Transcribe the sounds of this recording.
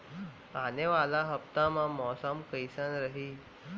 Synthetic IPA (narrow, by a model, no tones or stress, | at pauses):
aneʋalaɦəp̚t̪amãmɔsamkəjsãnɾəɦi